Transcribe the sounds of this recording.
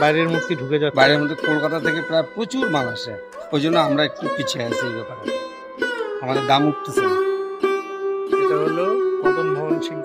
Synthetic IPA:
bajɾeɾmod̪ʱkiɖʱuked͡ʑabajɾeɾmod̪ʱːekolkat̪at̪ʰekepɾaepɾot͡ɕuɾmanaʃe | ojd͡ʑonːoamɾaek̚ʈupit͡ɕʰeeseikot̪aɦ | amad̪eɾɡ̪amuk̚ʈ̪ʰisʰe | eʈaɦolopɔt̪ʰombʱɔbonʃin

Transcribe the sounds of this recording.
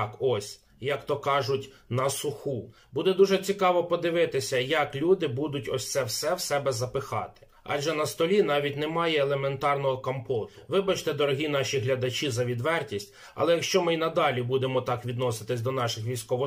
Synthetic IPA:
kɔsʲ | jɐkt̪ɔkɑʒʊtʲ | nɐsʊxu | bud̪ɛd̪uʒɛt͡sʲikɑʋɔpɔd̪ɪʋɪt̪ɪsʲɐjɐklʲud̪ɪbud̪ʊtʲɔsʲt̪sɛwsɛwsɛbɛzɐpɪxɑ̰t̪ɪ̥ | ɑ̰ʒɛnɐst̪ɔlʲin̪ɑʋʲitʲnɛmɑjɛːlˠement̪ɑrnɔɦɔkɐmpɔʊʋɪbɐt͡ʃt̪ɛd̪ɔɾɔɦʲin̪ɑʃʲiɦlʲɐd̪ɐt͡ʃizɐʋʲid̪ʋɛrtʲisʲtʲ | ɐ̰lˠɛjɐkʃt͡ʃɔmɪinɐd̪ɑlʲibud̪emɔt̪ɑkʋʲid̪nɔsɪ̥t̪ɪsʲd̪ɔnɑʃɪxʋʲijsʲkɔʋɔ

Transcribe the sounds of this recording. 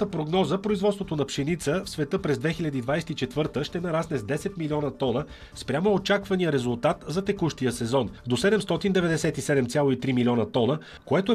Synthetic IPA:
t̪əpɾoɡnɔzəpɾoizvɔt̪st̪vot̪onɐpʃɛnit̪səfsvɛt̪ɤpɾɛzd̪vɛxilʲɐd̪id̪vajsɛ̥t̪it͡ʃɛt̪vɤɾt̪əʃt̪ɛnɐɾasnɛzd̪ɛsɛt̪milʲiɔnət̪ɔnə | spɾʲamoot͡ʃakvɐnijəɾɛzulˠt̪at̪zɐt̪ɛkuʃt̪ijəsɛzɔnd̪osɛd̪ɛmst̪ɔt̪ind̪ɛvɛd̪ɛsɛt̪isɛd̪ɛmt̪sʲalˠoit̪ɾimilʲiɔnət̪ɔnə | koɛt̪oɛ

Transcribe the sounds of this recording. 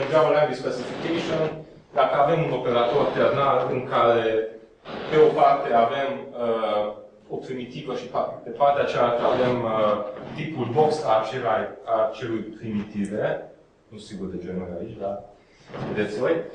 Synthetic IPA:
dɾaməland̪ispesifikeʃion | d̪akəave̞muno̞pe̞ɾat̪o̞rt̪earnalɨŋkaɾe̞ | pe̞o̞part̪e̞ave̞mə | o̞pɾimit̪ivəʃipad̪epart̪eat͡ʃelakəave̞mət̪ipulbo̞ksat͡ʃeɾajt̪at͡ʃe̞lujpɾimit̪ive̞ | nusiɡurd̪ed͡ʒenuna̰it͡ʃʲd̪a | ved̪et̪sʲvo̞j

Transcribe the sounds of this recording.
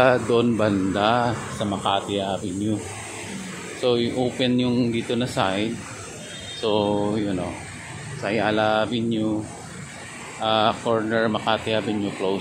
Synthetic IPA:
d̪oʔonbɐnd̪asɐmɐkaːt̪ɪjabɪɲjo | sojʔoːpɛnjʊŋd̪iːt̪onɐsajd̪̚ | sojʊno | sɐjalabɪɲjʊ | ʔakoɹnɛɹmɐkat̪ɪabɪɲjʊklow

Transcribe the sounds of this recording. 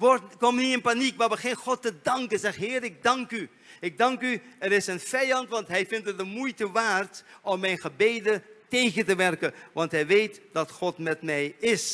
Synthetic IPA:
ʋɔkɔmniɪnpanikʋaːʋəχejnχɔtːədɑŋkənzɛχɦɪːɾɪɡ̚dɑŋky | ɪɡ̚dɑŋkyɛɾɪsənv̥ɛjɑntʋɑntɦɛjvɪntət̚dəmujtəʋaːrtɔmːɛjnχəbejdətejχəntəʋɛrkənʋɑntɦɛjʋejtd̥ɑtχɔtmɛtmɛjɪs

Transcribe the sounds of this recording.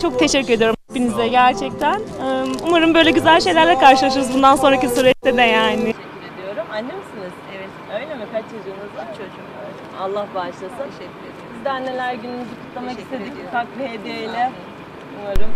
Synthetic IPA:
t͡ʃʰo̞k̚t̪ʰeʃɛc̬ʲːyɾe̞d̪ijo̞ɾumh̪epːinizlʲɛɟæɾt͡ʃʰɛc̚t̪ʰænːumaɾɯmbø̞jlʲɛɟyzælʲʃe̞jlʲæɾlʲɛkaɾʃɯlˠaʃɯɯzbund̪anso̞nɾacisuɾɛt͡ʃt̪ed̪ɛjaːnɪɛɾed̪ijo̞ɾumanːemisiniz̥ɛvt̪øjlʲemipʰat͡ʃt͡ʃʰezjonuzt͡ʃʰo | alˠːahbaʃlˠasɯɛy | bizd̪ænːelʲæɾɟynynyzykʰu̥t̪lˠamakist̪ʰed̪ic̚pʰakved̪ejlʲɛ | umaɾɯm

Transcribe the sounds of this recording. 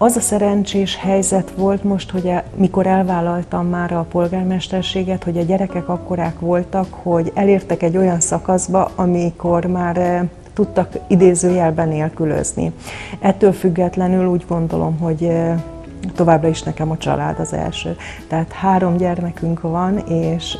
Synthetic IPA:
ɒzɒsɛɾɛnt͡ʃeːʃhɛjzɛt̪ʋo̞lt̪mo̞ʃt̪ho̞ɟɛmiko̞ɾɛlvaːlɒlt̪ɒmːaːɾɒpo̞lɡaːrmɛʃt̪ɛrʃeːɡɛt̪ho̞ɟɒɟɛɾɛkɛkɒkːo̞ɾaːkʋo̞lt̪ɒkho̞ɟɛleːrt̪ɛkɛɟːo̞jɒnsɒkɒzbɒʔɒmiko̞rmaːr | t̪ut̪ːɒkid̪eːzøːjɛlbɛneːlkylø̰znḭɛt̪ːøːlfyɡːɛt̪lɛnyluːɟɡo̞nd̪o̞lo̞̰mɦo̞ɟ | t̪o̞vaːbrɒiʃnɛkɛmɒt͡ʃɒ̰la̰ːd̪ɒzɛ̰lʃø̰ː | t̪ɛɦaːt̪haːɾo̞mɟɛrmɛkyŋkʋɒneːʃ

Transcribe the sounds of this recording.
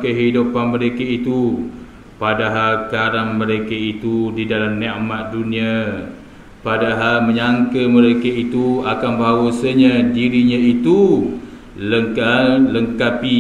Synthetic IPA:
kəɦidupanməɾekəit̪u | padaɦalkaɾaŋməɾekəit̪udidalamneʔmat̪̚dunĩa | padaɦalməɲaŋkəməɾekəit̪uakanbawasəɲãdiɾiɲãit̪u | ləŋkaləŋkapi

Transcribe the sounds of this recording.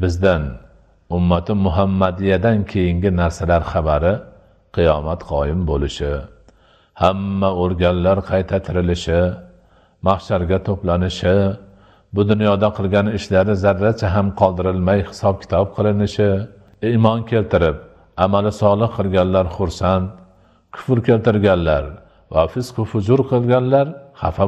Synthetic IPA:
bɪzd̪an | ʊmːat̪ʰɪmʊɦamːad̪ɪjad̪ankʲʰe̞jɪŋɡʲɪnaɾsalaɾχabaɾɪ | qʰɨjɒmat̪qʰɒjɪmbolɪʃɪ | hamːaoɾɡʲanlaɾqʰɑjt̪ʰat̪ʰɪɾɪlɪʃɪ | maχʃaɾɡʲat̪ʰoplanɪʃɪ | bʊd̪ʊnjɒd̪aqʰɨlˠɡʲanɪʃlaɾɪzaɾːat͡ʃʰaɦamqʰɒlˠd̪ɪɾɪlmajhɪ̥sɒb̚kʲʰɪ̥t̪ʰɒp̚qʰɨlˠɪnɪʃɪ | ɪmɒnkʲʰe̞lt̪ʰɪɾɪp̚ | amalɪsɒlˠɨqʰːɨlˠɡʲanlaɾχʊɾsant̪̚ | kʲʰʊ̥flkʲʰe̞lt̪ɪɾɡʲanlaɾ | vafɪsqʰofʊd͡ʒʊɾqʰɨlˠɡʲanlaɾχa̰fa

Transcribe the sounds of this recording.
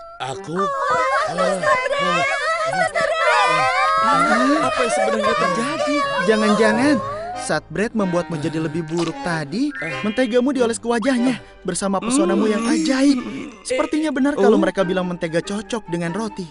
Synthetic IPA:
ʔaku | aaapasəbəɾəɾat̪əd͡ʒadid͡ʒaŋand͡ʒaŋansat̪̚bɾɛt̪̚məmbuat̪̚mud͡ʒadiləbɪhbuɾʊk̚t̪adimənt̪eɡamudiolɛskəwad͡ʒahɲa | bərsamapərsonamujaŋʔad͡ʒaisəpərt̪iɲabənarkalowməɾekabilaŋmənt̪eɡat͡ʃot͡ʃɔk̚dəŋanrot̪i

